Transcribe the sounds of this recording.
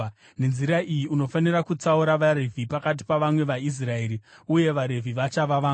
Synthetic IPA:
ne̞nziɾaʔijiuno̞fanirakut͡sauɾaʋaɾe̞vʱipakat̬i̥paʋamwe̞ʋais̬rae̞ɾiuje̞ʋaɾe̞vʱiʋat͡ʃaʋaʋaː

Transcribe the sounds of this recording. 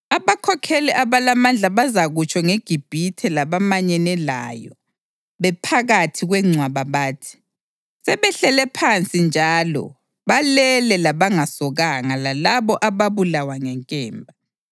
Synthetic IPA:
aβakʰɔkʰeliʔaβalamand͡ɮʱaβazaɣut͡ʃʰʼɔŋeɡ̥ʱib̥ʱitʰɛlaβamaɲɛnɛla̰jɔ̰ | βɛpʰaɣatʰiɣwɛŋ͡ǀʱwaβaβaːtʰi̥ | sɛβɛɬɛlɛpʰant͡sʼind͡ʒʱalɔ̰ | βalɛlɛlaβaŋasɔɣaŋalalaβɔʔaβaβulawaŋɛŋkʼɛːmbʱa

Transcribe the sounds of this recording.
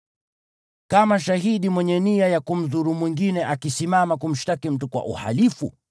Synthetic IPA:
kamaʃaɦiɗimwɛɲɛniajakum̩zuɾumwiŋɡinɛʔakisimamakum̩ʃtakim̩tukwa̰ʔṵha̰lifṵ

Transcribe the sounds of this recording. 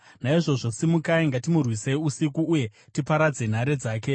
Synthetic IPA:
naiʐo̞ʐo̞simukaiŋɡatimurwiseiusikuːje̞ | tipaɾad͡ze̞n̤aɾe̞d͡zaːke̞

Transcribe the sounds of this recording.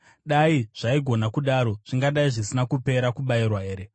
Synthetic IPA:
ɗaiʐ̥aiɡʱo̞nakuɗaɾo̞ʐ̥iŋɡaɗaiʐisinakupe̞ɾakuɓairwaɦe̞ːɾe̞

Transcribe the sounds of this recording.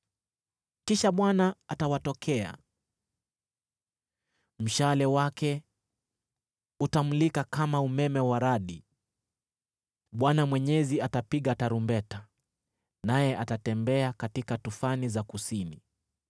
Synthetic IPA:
kiʃaɓwanaatawatɔkʰɛa̰ | m̩ʃalɛwakɛ | utam̩likakamaumɛmɛwaɾaɗi | ɓwanamwɛɲɛziatapiɠataɾumbɛta | najɛʔatatɛmbɛakatikatufanizakusini

